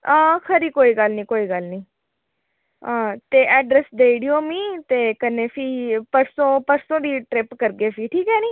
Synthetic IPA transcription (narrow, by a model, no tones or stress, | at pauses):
ãːkʰəɾiːkoːiːɡəlnĩːkoːiːɡəlnĩː | ãːt̪eːʔɛːɖɾɛsd̪eːiɽiõːmĩːt̪eːkənːeːpʰiːpəɾsõːpəɾsõːd̪iːʈɾɪpkəɾɡeːpʰiːʈʰiːkɦɛːniː